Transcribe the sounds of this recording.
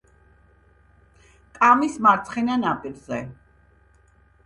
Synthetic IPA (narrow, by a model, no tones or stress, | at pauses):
kʼamismaɾt̪sʰχɛnanapʼiɾzɛ